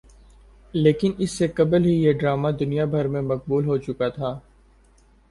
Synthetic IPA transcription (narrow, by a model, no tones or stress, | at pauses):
leːkɪnɪsːekɐbəlɦijeɖɾaːmad̪ʊnijabʱɐɾmẽmɐq̚buːlɦot͡ʃʊkat̪ʰaː